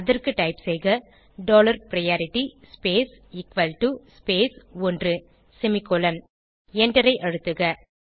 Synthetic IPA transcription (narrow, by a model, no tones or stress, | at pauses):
ɐðɐrkɯʈɐɪpsɛjɣɐ | ɖoːlɐɾpɾɐjaːɾɪʈːispeːs | ɪkʋɐlʈuspeːsɔndrɯ | sɛmɪkɔlɐn | ɛɳɖɐɾɐɪʔɐɻɯt̪ːɯɣɐ